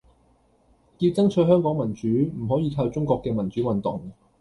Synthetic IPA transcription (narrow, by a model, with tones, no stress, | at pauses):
kiː˧wt͡sɐ˥ŋt͡ʃʰɵ˧˥jɦœː˥ŋkɔː˨˥ŋmɐ˨˩nt͡ʃyː˨˥m̩˨˩ɦɔː˨˥jiː˧k̪ʰaː˧wt͡sʊ˥ŋkʷɔː˧kːɛː˧mɐ˨˩nt͡syː˨˥wɐ˨nt̪ʊ̰˨ŋ